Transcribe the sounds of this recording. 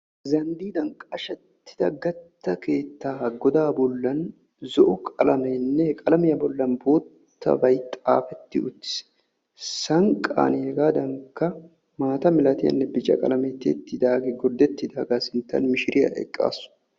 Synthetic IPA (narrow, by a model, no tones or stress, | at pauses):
zɐnd̪iːd̪ɐŋkʼɐʃɛt̪ːɪ̥d̪ɐɡɐt̪ːɐke̞ːt̪ːaːɡɔd̪aːbɔlːɐn | zɔʔʊkʼɐlɐmɐnːɛkʼɐlɐmɪjɐbɔlːɐnboːt̪ʰːɐ̰bɐjt̪ʼa̰ːfɛt̪ːɪʊt̪ːɪ̥s | sɐŋkʼa̰ːnhɛɡaːd̪ɐŋkːɐ | maːt̪ɐmɪlɐt̪ɪjɐ̰nːɛbɪt͡ʃʼɐ̰kʼɐ̰lɐmet̪ːḛːt̪ːɪd̪aːɡɛɡɔɾd̪ɛt̪ːɪd̪aːɡaːsɪnt̪ːɐ̰nmɪʃɪɾɪjɐ̰ʔɛ̰kʼːa̰ːsʊ̥